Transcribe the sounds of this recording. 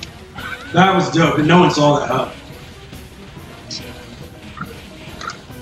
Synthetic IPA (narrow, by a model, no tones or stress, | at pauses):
ðət̚wʌzɡʌʊbɨ̃noʊwʌ̃nzɔlˠəhʌp